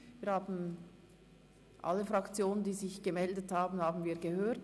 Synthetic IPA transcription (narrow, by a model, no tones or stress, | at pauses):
viːɐhaːbn̩ | ʔa̰lːəfʁɑkt͡sjoːnəndiːzɪçɡ̥əmɛldəthaːbn̩haːbn̩viːɐɡəhøːt